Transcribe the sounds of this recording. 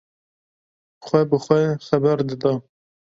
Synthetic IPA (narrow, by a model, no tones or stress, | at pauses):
xʷɛbəxʷɛxɛbɛɾd̪ɨd̪ɑ